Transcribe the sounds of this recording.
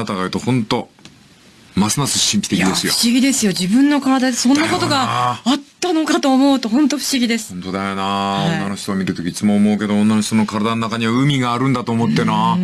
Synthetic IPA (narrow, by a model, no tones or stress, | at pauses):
at̪aɡajɯ̟ːt̪o̞hõ̞nt̪o̞ | masɨnasɨɕĩmpʲi̥t̪ekjʲid̪esɨjoɯ̥ɕiɡʲid̪e̞sɨjo̞ʑibɯ̟̃nːo̞kaɾad̪ad̪esõ̞nːako̞t̪o̞ɡaat̪ːano̞kat̪o̞ːmo̞ɯt̪o̞ɦõnt̪o̞ɸɯ̟̥ɕiɡʲid̪e̞sɨ̥õnt̪o̞d̪ajonaːõnːano̞çi̥t̪o̞ːmʲiɾɯ̟t̪o̞kʲiit͡sɨmoːmo̞ɯke̞d̪o̞õnːanoçt̪o̞nokaɾad̪anonakaɲ̟iβaɯ̟mʲiɡaːɾɯ̟̃nd̪at̪oːmo̞t̪ːe̞na